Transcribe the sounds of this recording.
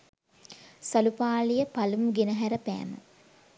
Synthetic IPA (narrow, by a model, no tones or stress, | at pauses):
salupaːlijəpalumuɡenəɦæɾəpæ̰ːmə̰